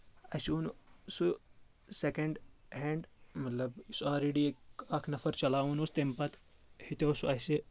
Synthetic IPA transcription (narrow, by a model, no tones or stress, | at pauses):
ɐsuːnsu | sekɐɳɖ | ɦẽːɳɖmɐt̪lɐbisaːlɾeːɖiekakʰnɐfʰɐɾt͡ʃɐlaːunost̪empɐt̪hit̪oːsuɐse